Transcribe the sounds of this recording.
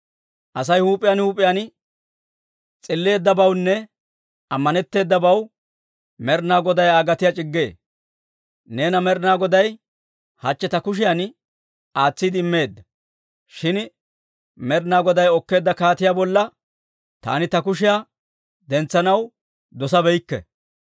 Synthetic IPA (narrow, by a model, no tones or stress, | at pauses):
ʔɐs̬ɐjhuːpʼɪjanhuːpʼːɪjan | t͡sʼɪlːe̞ːd̪ːɐbɐwnːɛ | ɐmːɐnɛt̪ːe̞ːd̪ːɐbɐw | mɛɾnaːɡɔd̪ɐjaːɡɐt̪ɪjat͡ʃʼɪɡːe̞ː | ne̞ːnɐmɛɾnaːɡɔd̪ɐj | hɐt͡ʃːɛt̪ɐkʊʃ̬ɪjan | aːt͡sːid̪ɪɪmːe̞ːd̪ːɐ | ʃɪn | mɛɾnaːɡɔd̪ɐjɔkːe̞ːd̪ːɐkaːt̪ɪjabɔlːɐ | t̪a̰ːnɪt̪ɐkʊʃ̬ɪja | d̪ɛnt͡sːɐnɐw | d̪ɔsɐbɛjkːɛ̰